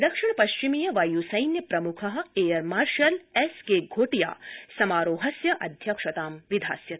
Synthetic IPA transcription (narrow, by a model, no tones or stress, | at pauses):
d̪ɐkʂiɳpɐʃt͡ʃimijɐʋɐjusɐjnjɐpɾɐmukʰɐɦɐ̆eːjɐɾmaːɾʃɐleskeːɡʱoːʈija̰ːsɐmaːɾoːɦɐsjɐʔɐd̪ʱjɐkʂɐt̪aːmʋid̪ʱa̰ːsjɐt̪